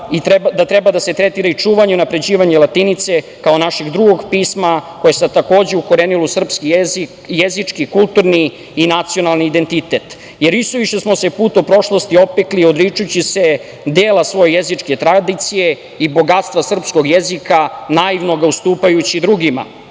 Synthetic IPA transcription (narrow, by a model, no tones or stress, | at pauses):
id̪at̪ɾebad̪ase̞t̪ɾet̪iɾait͡ʂuːʋaɲeunapɾe̞d͡ʑiːʋaɲelˠat̪init̪se̞ | kao̞naʃeɡd̪ɾuɡo̞ɡpiːsmakojesat̪ako̞ːd͡ʑeuko̞ɾeːnilusr̩pskizi | jezit͡ʂkikulˠt̪uɾniː | nat̪sijo̞nalˠniːd̪ent̪it̪et̪ | jeɾʋist̪oʋiʃesmo̞se̞puːt̪opɾo̞ʃlo̞st̪io̞pekliod̪ɾit͡ʃujut͡ɕise̞ | d̪eːlasʋo̞jejezit͡ʂke̞t̪ɾad̪it̪sije̞ | ibo̞ɡat̪st̪ʋasr̩psko̞ɡjezikanaiʋno̞ɡaust̪uːpajut͡ɕid̪ɾuɡima̰